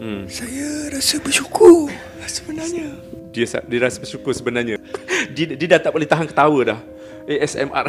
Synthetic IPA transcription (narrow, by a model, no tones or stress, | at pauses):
sajaɾasəbəʃukʰʊr | asəbənarɲadiəsa̰diəɾasəbərsukʊrsəbənarɲadidiədat̪apoleht̪aɦankə̥t̪awədah | ʔeʔɛsɛ̰ma̰r